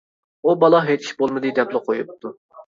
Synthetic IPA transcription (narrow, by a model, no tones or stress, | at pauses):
ubɑlˠɑɦet͡ʃʰi̥ʃbolˠmɨd̪ɨd̪ɛplˠɨqʰojup̚t̪ʰu